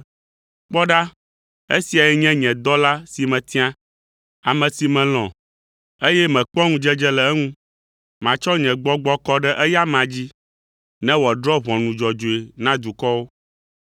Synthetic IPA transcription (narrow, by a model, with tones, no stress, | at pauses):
k͡pɔ˦ɖa˦ | ḛ˦si˨a˨jɛ˨ɲɛ̃˦ɲɛ̃˨d̪ɔ˦la˦si˨mɛ̃˨t̪i˦a˦ | a˨mɛ̃˨si˨mɛ̃˨l̃ɔ̃˨ | e˦jɛ˦mɛ̃˨k͡pɔ˦ŋũ˦d͡ʒɛ˦d͡ʒɛ˦lɛ˨ɛ˦ŋũ˦ | mã˨t͡ʃɔ˦ɲɛ̃˨ɡ͡bɔ˦ɡ͡bɔ˦kɔ˦ɖɛ˦ʔɛ˦ja˦mã˨d͡ʑi˦ | nɛ̃˦wɔ˨ɖɾɔ˦βɔ̃˨nũ˨d͡ʒɔ˨d͡ʒo˨e˨nã˦d̪u˨kɔ˦wo˦